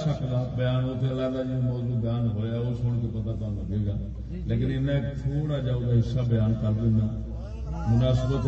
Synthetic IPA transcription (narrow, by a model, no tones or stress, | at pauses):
səkd̪aːbəjaːnot̪ʰelaːlaːd͡ʒimɔːzuːd̪aːnɦoːjaːosoːɽk̪epət̪aːt̪oaːnũːbeːɡaː | leːk̬ɪnɪnãekt̪ʰoːɽaːd͡ʒaːʊd̪aɦɪsabjaːnkəɾd̪ɪnːaː | mʊnaːsəbət̪